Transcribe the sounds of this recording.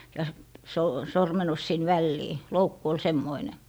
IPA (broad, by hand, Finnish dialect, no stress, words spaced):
jɑ s soː sormenus sin ʋælːiː loukːu ol semːoine